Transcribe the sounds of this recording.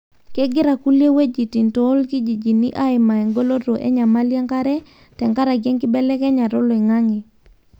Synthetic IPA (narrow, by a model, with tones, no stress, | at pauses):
kɛ˦ɡɪ˦ɾa˨ku˦lje˦we˦d͡ʒi˨ti˨ntoː˨˦lki˦d͡ʒi˨d͡ʒi˨nḭ˦ʔa˦ɪ˨ma˨e˨ŋɡo˦lo˦ɾo˨ʔḛ˦ɲa˨ma˦lje˦ŋka˦ɾɛ˦ | tɛ˨ŋka˦ɾa˨ɡjɛ˦ŋkɪ˦bɛ˦lɛ˦kɛ˦ɲa˨ɾo˦lo˨i˨ŋa˦ŋi˨